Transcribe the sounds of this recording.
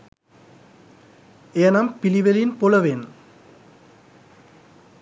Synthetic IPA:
eɐnɐmpiliʋɐlinpolɐʋeːn

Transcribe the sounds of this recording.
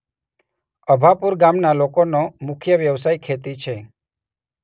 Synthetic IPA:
əbʱapuɾɡamnalokonomʊkʰjəʋjəʋsajkʰet̪it͡ʃʰe

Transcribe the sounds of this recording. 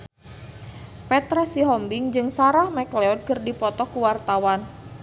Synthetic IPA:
pɛt̪ɾɛsiɦɔmbiŋd͡ʒɨŋsaɾahmɛklɛɔd̪̚kərdipɔt̪ɔkuwart̪awan

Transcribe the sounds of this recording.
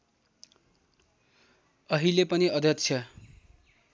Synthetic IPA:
ʌɦilepʌniʌd̪ʱjʌtst͡sʰjʌ

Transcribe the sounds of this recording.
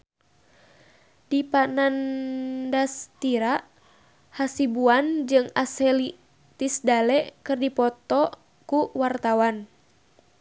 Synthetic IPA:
dipanandast̪iɾaʔ | hasibuand͡ʒɨŋasɛli | t̪isdalɛʔkɨrdipɔt̪ɔ | kuwart̪awan

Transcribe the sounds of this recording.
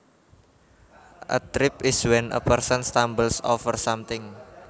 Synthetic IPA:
ʔə̰t̪ɾɪpɪswɛnʔə̰pərsənst̪ambəlsɔfərsamt̪ɪŋ

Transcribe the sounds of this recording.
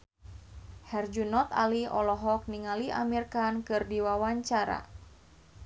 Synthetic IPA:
hɛrd͡ʒunɔt̪a̰liɔlɔɦɔk̚niŋalia̰mirkankɨrdiwawaɲt͡ʃaɾa̰

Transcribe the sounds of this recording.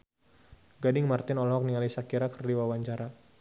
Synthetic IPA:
ɡadɪŋmart̪ɪnɔlɦɔk̚niŋalisakiɾakərdiwawaɲt͡ʃaɾa

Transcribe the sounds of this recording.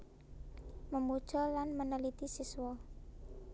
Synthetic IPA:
məmud̥ʒ̥ɔ̤lanmənəlit̪isisuwɔ

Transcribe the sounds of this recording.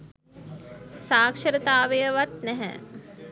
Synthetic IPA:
saːkʃəɾət̪aːʋejəʋat̪̚nɛɦɛ̰

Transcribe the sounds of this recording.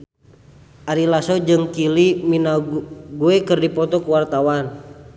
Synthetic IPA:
ʔaɾilasɔd͡ʒɨŋkiliminaɡuɛkɨrdipɔt̪ɔkuwart̪awan

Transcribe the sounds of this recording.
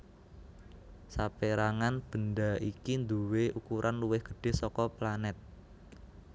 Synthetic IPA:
sapeɾaŋanb̥ə̤ndaikind̪uweukuɾʔanluwɪhɡ̥ə̤̥ɖ̥e̤sɔkɔplanɛt̪̚

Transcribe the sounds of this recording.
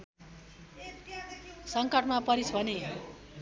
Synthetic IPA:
sʌŋkʌʈmapʌɾisbʱʌne

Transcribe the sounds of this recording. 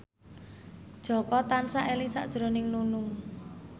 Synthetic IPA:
d̥ʒ̥ɔ̤kɔt̪ansaʔelisa̰ʔd̥ʒ̥ɾo̤nɪŋnunʊŋ

